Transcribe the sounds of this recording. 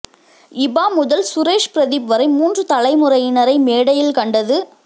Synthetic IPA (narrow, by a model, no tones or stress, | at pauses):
ɪbaːmʊðɐlsʊɾeːʂpɪɾɐðɪpʋɐɾɐɪmuːndrɯt̪ɐlɐɪmʊrɐjɪnɐɾɐɪmeːɽɐjɪlkɐɳɖɐðɯ